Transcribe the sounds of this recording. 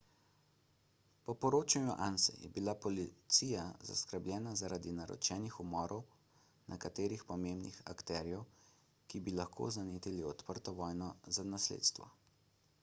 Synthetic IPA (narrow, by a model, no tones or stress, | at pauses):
pɔpɔɾoːt͡ʃanjuʔansɛ̰jɛ̰bilapɔlit̪siːjaza̰skəɾblʲjɛːnazaɾʔaːd̪inaɾɔ̰t͡ʃɛːnixumɔːɾɔw | nʔɛkat̪eːɾixpɔmembnixa̰kt̪ɛːɾjɛw | kibilaxkʰo̰zaneːt̪iliɔt̪pəɾt̪ɔʋɔːjnɔzanaslḛːt̪st̪ʋɔ̰